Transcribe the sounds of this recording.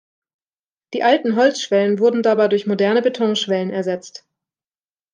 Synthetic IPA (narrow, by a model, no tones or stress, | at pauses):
d̥iːʔaltn̩ɦɔlt͡sʃv̥ɛlənvʊɐdn̩dabaɪdʊɐçmodɛɐnəbetʰɔŋʃv̥ɛlənɛɐzɛt͡st